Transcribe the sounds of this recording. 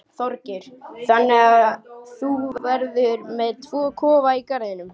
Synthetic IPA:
θɔɾcɪɾ̥θanːɪɣaθuvɛɾðʏɾmɛðt̪ʰv̥ɔːkʰɔːvaikaɾðɪnʏm

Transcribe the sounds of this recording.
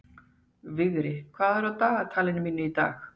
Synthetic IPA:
vɪɣɾɪkʰv̥aːðɛɾawt̪aːɣat̪ʰaːlɪnmiːnʏit̪a̰ːx

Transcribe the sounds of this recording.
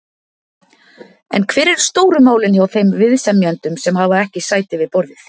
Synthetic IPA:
ɛ̰nkʰvɛːɾɛɾ̥st̪oːwɾʏmaːwlɪnçjawθejmvɪðsɛmjant̪ʏmsɛmhaːvaɛhcɪsaːjt̪ɪvɪðpɔɾðɪθ

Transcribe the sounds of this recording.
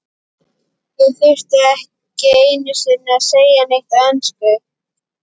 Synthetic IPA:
θɪðθɪr̥t̪ɪɛh | cɪejnʏsɪnːɪaðseːjanejht̪aɛnskʏ

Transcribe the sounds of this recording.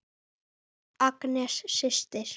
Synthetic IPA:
ɑknʲæʃʃeʃt̪eʃ

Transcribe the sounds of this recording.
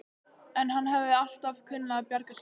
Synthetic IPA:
ɛnɦanːɦɛvɪal̥t̪avkʰʏnːaapjaɾkas

